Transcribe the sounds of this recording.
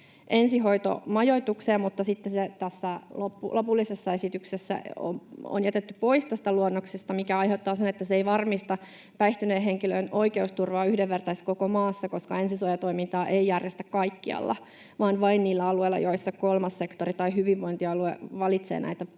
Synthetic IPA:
ʔensiɦoit̪o̰mɑjoit̪ukseːmmut̪ːɑsit̪ːeset̪æsːælopːulopulːisesːɑesit̪yksesːæ̰o̰mo̰njæt̪et̪ːypo̞ist̪æst̪æluonːoksest̪ɑmikæɑjɦeut̪ːɑːsenet̪ːæseeiʋɑrmist̪ɑ | pæiht̪yneːɦeŋkiløino̞ikeust̪urʋɑːyhdeʋʋert̪ɑiskokomɑːsːɑko̞skɑensisuojɑt̪oimint̪ɑːʔeijærjest̪ækkɑikːiɑ̰lːɑ̰ | ʋɑːnʋɑinniːlːæɑlueilːɑ̰joisːɑkolmɑsːekt̪orit̪ɑihyʋiʋʋoint̪iɑluḛʋɑlit̪sḛːnæ̰it̪æ

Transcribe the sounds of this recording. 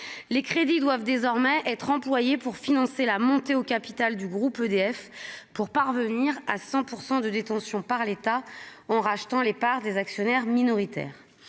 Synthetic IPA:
lekχed̪id̪wavd̪ezɔʁmɛʔɛt̪χɑ̃plwajepuʁfinɑ̃selamɔ̃t̪eokʲapi̥t̪ald̪yɡʁupød̪eɛfpuʁpaʁvəniʁasɑ̃puʁsɑ̃d̪əd̪et̪ɑ̃sjɔ̃paʁlet̪aɑ̃ʁaʃt̪ɑ̃lepaʁd̪ezaksjɔnɛʁminɔʁit̪ɛ̰ːʁ

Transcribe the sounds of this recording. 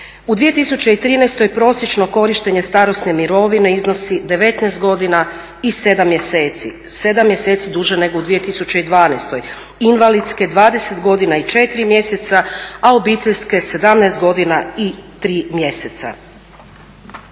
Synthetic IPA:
ud̪ʋije̞t̪isut͡ɕeit̪ɾiːnɛjst̪o̞jpɾo̞sjet͡ʃno̞ko̞ɾiʃt̪e̞ɲe̞st̪aːɾo̞sne̞miɾo̞ʋine̞izno̞sid̪e̞ʋe̞t̪nɛːst̪̚ɡo̞d̪ina | ise̞d̪amːje̞seːt̪si | se̞d̪amːje̞seːt̪sid̪uʒe̞ne̞ɡoud̪ʋije̞t̪isut͡ɕeid̪ʋaːnest̪oj | inʋalid̪ske̞d̪ʋaːd̪e̞se̞t̪ɡo̞d̪inait͡ʃe̞t̪iɾimje̞se̞t̪saao̞biːt̪eʎʲske̞se̞d̪amnɛːst̪̚ɡo̞d̪inait̪ɾiːmje̞set̪sa̰

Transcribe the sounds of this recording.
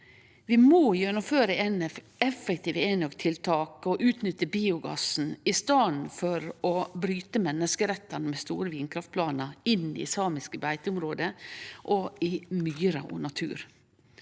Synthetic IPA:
ʋɪmoːjœnəføːɾəɛn | ɛfɛkt̪ʰiːʋeːnɔɡt̪ʰɪlt̪ʰɑːkɔʔʉːt̪nʏt̪ːəbiːʊɡɑ̰sn̩ɪst̪ɑːnfɔɾɔbɾyːt̪əmɛnːəskəɾɛt̪ːɑnəmɛst̪ṵːɾəʋiːnkʰɾɑft̪̚pʰlɑːnəɪnːɪ̰sɑːmɪskəbæɪt̪əʊmɾoːd̪əʔɔɪmyːɾɑ̰ʔʊ̰nɑt̪ʰʉ̰ːɾ

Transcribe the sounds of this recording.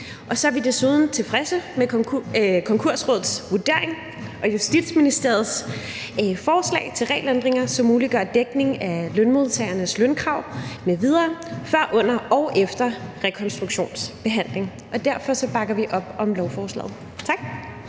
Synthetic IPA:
ʔɒ̽sɒ̽æɐʋid̥e̝suð̞ˠn̩t͡sʰe̝fʁɛsəme | kʰɒ̽ŋkʰu̝ɐ̰sʁɔ̽ðˠsʋuɐd̥e̝ɐeŋ | ʔɒ̽jusd̥id̥sminisd̥e̝ɐð̞ˠs | fɒːslɛ̰ːɪt͡sʰe̝lʁɛ̰ːlend̥ʁeŋɐsɒ̽mːuːliɡ̥ɶɐ̰d̥eɡ̥ne̝ŋælønmo̝ðˠt͡sʰɛ̰ɪɐnəslønkʰʁɑ̈ʊ̰meʋið̞ˠɐːfɶɐ̰ʔɔ̽n̰ɐʔɒʊʔefd̥ɐʁɛkʰɒ̽nsd̥ʁuɡ̥ɕo̝̰ːnsb̥e̝ɦæn̰le̝ŋ | ʔɒ̽d̥æɐfɒ̽sɒ̽b̥ɑ̈ɡ̥ɐʋiʔɒ̽b̥ɒ̽mlɒʊfɒːslɛ̰ːð̩ˠ | t͡sʰɑ̈ɡ̥

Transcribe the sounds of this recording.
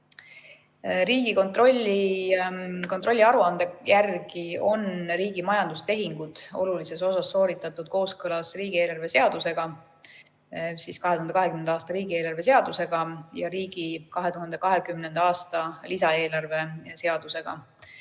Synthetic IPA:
riːɡ̥iko̞nt̪ro̞lʲːi | kot̪ro̞lʲːiɑɾuɑnd̪̥e̞jærɡio̞nɾiːɡ̥imɑjɑnd̪̥ust̪e̞ɦiŋɡ̥ud̪̥o̞̰lulise̞so̞sɑsːo̞ːɾit̪ːˑɑt̪ːˑud̪̥̚ko̞ːskɤlɑsriːɡ̥ie̞ːlɑrve̞se̞ɑd̪̥use̞ɡ̥ɑ | siskɑɦeuhɑnd̪eɑɦekymnenɑɑːst̪ɑɾiːɡ̥ie̞ːlɑrve̞se̞ɑd̪̥use̞ɡ̥ɑjɑɾiːɡ̥ikɑɦet̪uɦɑnd̪̥e̞kɑɦe̞kymne̞nd̪ɑɑːst̪ɑlisɑe̞ːlɑrve̞se̞ɑd̪̥use̞ɡ̥ɑ̰

